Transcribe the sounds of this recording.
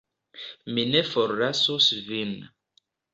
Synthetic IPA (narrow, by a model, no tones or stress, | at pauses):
minefoɾːasusvin